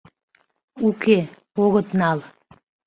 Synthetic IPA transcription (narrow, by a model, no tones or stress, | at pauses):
uke | oɣət̪nɑl